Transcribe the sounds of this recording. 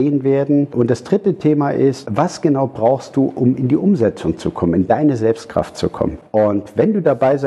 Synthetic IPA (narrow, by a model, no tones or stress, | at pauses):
eːənveːɐdn̩ʔʊnt̚d̥asd̥ʁɪtətʰeːmaʔɪstvasɡ̥ənaʊbʁaʊxst̚d̥uːʔʊmɪndiːʔʊmzɛt͡sʊŋt͡sukʰɔmənɪndaɪnəzɛlpst̚kʁ̥a̰ftt͡sukʰɔ̰mənʔʊntvɛnduːdabaɪza